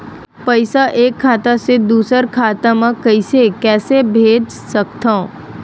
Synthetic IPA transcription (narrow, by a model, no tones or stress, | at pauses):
pɐɪsaʔeːkʰːaːt̪ased̪uːsəɾkʰaːt̪amãkəɪsekɛːsebʱeːd͡ʒ | sək̚t̪ʰã